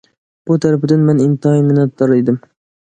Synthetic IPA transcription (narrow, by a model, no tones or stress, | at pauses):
b̥ʊt̪ʰaɾpd̪anmenɪnt̪ɨhimɪnat̪ːɒɾed̪ɪm